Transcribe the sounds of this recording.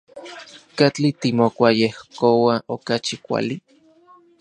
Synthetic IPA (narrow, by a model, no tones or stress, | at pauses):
kat͡ɬit̪imokʷajehkowaʔokat͡ʃikʷa̰li